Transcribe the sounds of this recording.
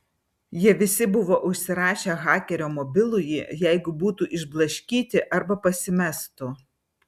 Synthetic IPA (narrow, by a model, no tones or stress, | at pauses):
jiɛʋʲɪsʲɪbʊʋoːʔʊʃʲsʲɪɾɑːʃʲeːɣɑːkʲɛɾʲoːmɔbʲɪlˠʊjijæˑɪɡʊbuːt̪uːʔɪʒblˠɐʃʲkʲiːt̪ʲɪʔɐɾbɐpɐsʲɪmʲɛst̪ʊ